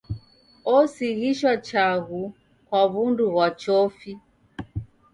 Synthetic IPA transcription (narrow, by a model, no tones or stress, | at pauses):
ɔsiɣiʃwat͡ʃaɣu | kwaβunduɣwat͡ʃɔfi